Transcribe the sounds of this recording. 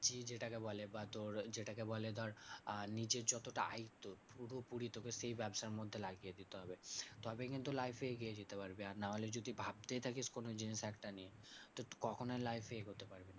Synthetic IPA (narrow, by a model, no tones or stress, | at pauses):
d͡ʑid͡ʑeʈakebɔlebat̪oɾd͡ʑeʈakebɔled̪ɔaɾnid͡ʑeɾd͡ʑɔt̪oʈaajt̪ːopuɾopuɾit̪okeʃejbɛbʃaɾmod̪ʱːelaɡijed̪it̪eɦɔbet̪ɔbekint̪ulajfeeɡied͡ʑit̪epaɾbeaɾnaɦoled͡ʑod̪ʱibʱab̚t̪ejt̪ʰakiskonod͡ʑiniʃɛkʈaniet̪ot̪kɔkʰonajlajfeeɡʱot̪epaɾbena